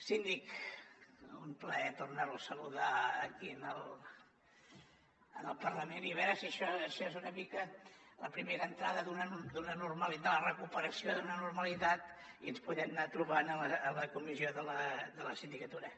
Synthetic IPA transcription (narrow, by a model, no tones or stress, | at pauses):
sind̪ik | ṵmpləɛt̪ornəlˠsəluðaːkiənəlˠ | ənəlˠpərləmeniβɛɾəsəʃɔəʃɔezunəmikələpɾimeɾəːnt̪ɾaðəðunəd̪unənurməlid̪ələrəkupəɾəsioðunənurməlit̪at̪ | iənspuðɛmnat̪ɾuβanələːləkumizioðələd̪ələsind̪ikət̪uɾə